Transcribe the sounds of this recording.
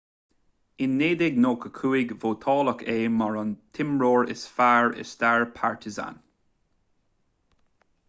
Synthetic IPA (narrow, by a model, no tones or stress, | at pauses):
ɪnːeːd̪ɪɡnoːkʰəkʰuːɪɡvoːt̪ʰɔːləkʰeːmaɹɔnt̪ʰɪmɹoːɹɪ̰sfaːɹɪ̰st̪aːɹpʰaɹt̪ʰɪza̰n